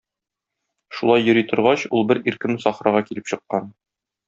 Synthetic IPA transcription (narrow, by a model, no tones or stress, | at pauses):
ʃulˠɑjːɵ̆ɾit̪ʰŏɾʁɑɕulˠbɘɾiɾkɘmsɒχɾɑʁɑkilɘpɕɤ̆qːɑn